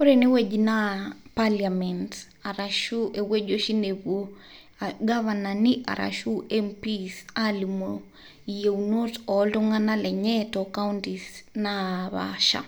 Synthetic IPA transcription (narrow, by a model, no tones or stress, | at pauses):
oɾenewed͡ʒinapaliamɛnt | aɾaʃuʔeweʄoʃineβwo | aɡaβananiʔa̰ɾʔa̰ʃuʔɛmpisalimo | ijeunotɔlɔŋanalɛɲɛtɔkauntisnaβa̰ʃa̰